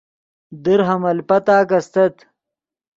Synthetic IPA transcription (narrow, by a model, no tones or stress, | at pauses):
d̪iɾɦɐmɐlpɐt̪aːkɐst̪ɐt̪